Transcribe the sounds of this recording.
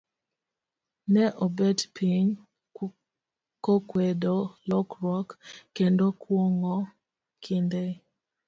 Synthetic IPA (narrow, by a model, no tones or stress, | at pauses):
nɛʔɔbɛtpiɲ | kokwedolɔkɾɔkkːendokwoŋo | kʰinde